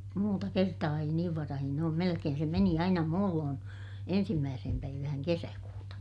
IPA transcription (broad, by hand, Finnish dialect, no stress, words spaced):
muːtɑ kertɑː ei niːʋ ʋɑrɑhin oːm melekeːn se meni ɑinɑ muːlːoːn ensimːæːsehem pæiʋæhæŋ kesækuːtɑ